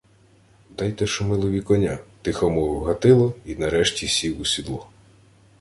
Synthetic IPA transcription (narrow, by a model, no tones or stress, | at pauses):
d̪ɑjt̪ɛʃɔmɪlˠɔʋʲikɔnʲat̪ɪxɔmɔɦɐt̪ɪlˠɔinɐɾɛʃtʲisʲiwʊsʲid̪lˠɔ